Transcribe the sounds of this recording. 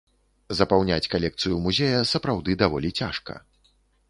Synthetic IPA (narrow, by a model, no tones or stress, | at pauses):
zɐpawnʲat͡sʲkalʲɛk̚t̪sɨjumuzʲejɐsɐpɾawd̪ɨd̪avɔlʲit͡sʲaʂkɐ̰